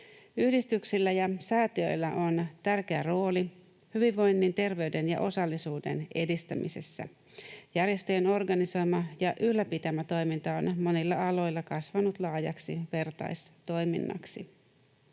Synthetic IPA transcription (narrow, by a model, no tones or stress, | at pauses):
yhdist̪yksilːæjɑsæːt̪iø̞̰jlːæʔo̞nt̪ærk̟e̞æro̞ːli | hyʋiʋːo̞jnːint̪e̞rʋe̞yde̞njɑ̰ʔo̞sɑlːisuːde̞̰ne̞dist̪æmḭse̞̰sːæ̰ | jærje̞st̪øjeno̞rɡɑniso̞jmɑjɑʔyhlːæpit̪æmæt̪o̞jmint̪ɑonmo̞nilːɑɑlo̞jlːɑkɑsʋɑnut̪lɑːjɑ̰ksḭʋe̞rt̪ɑ̰jst̪o̞jmḭnːɑ̰ksi